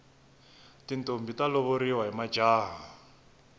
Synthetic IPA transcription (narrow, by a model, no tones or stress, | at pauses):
tintombitalɔβoɾiwaɦimḁd͡ʒaːɦa